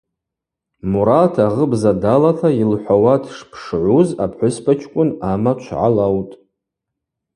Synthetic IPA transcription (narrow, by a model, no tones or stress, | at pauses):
muɾatʰaʁəbzadalatʰailħʷawatʰʂpʰʂʕʷuza̰pʰħʷʊspʰat͡ʃʰkʷʼʊnamat͡ʃʷʰʕa̰lawtʼ